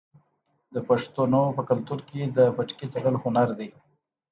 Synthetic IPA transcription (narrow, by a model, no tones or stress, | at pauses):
d̪əpaʂt̪unopəkalt̪uɾked̪əbaʈ͡ʂkit̪aɽəlhʊnaɾd̪ej